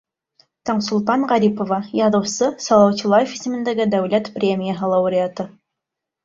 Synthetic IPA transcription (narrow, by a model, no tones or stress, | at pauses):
t̪ɑɴsulˠt̪ɑɴʁɑɾʲipovɑjɑðɤ̆wsɤsɑlˠɑwt͡ɕɤ̆lˠɑjefisɘ̆mɘ̆nd̪æɡɘd̪æwlæt̪prʲemʲijaɦəlˠɑuɾʲɪat̪ɤ